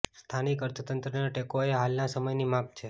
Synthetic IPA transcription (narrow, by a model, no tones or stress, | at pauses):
st̪ʰanikəɾt̪ʰət̪ənt̪ɾənaʈekoeɦalnasəməjnimap̚ʰt͡ʃʰe